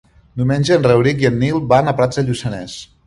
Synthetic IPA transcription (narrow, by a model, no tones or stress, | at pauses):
numenʲd͡ʒəːnrəwɾik̬iənːilˠbanəpɾad͡zðəʎusənɛs